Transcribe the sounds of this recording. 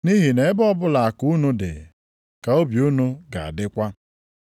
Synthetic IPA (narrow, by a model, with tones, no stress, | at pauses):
ni˦ɦi˨ne˨ɪ˦bɔ˦bʊ˦la˨a˨ku˦nu˦dɪ̰˨ | ka˨o˦bju˦nu˦ɡa̰˨a̰˨dɪ˦kʷa˦